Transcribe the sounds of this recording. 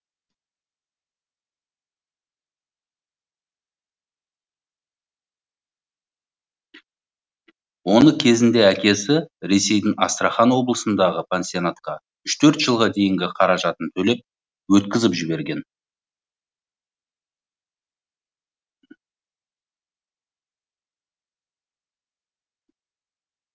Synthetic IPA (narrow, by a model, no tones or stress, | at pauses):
wo̞nəkʲʰe̞zɪnd̪e̞ækʲe̞sɪɾe̞se̞jd̪ɪŋɑst̪ɾaχɑnwo̞blˠəsənd̪ɑʁəpʰensionat̪qɑ | ʏʃt̪ʰɵɾt̪ʒ̥əlˠʁɑd̪e̞jɪŋɡʲɪqʰɑɾɑʒɑt̪ənt̪ʰɵle̞p̚ | wɵt̪̚kʲɪzɪpʒɪbe̞ɾɡʲe̞n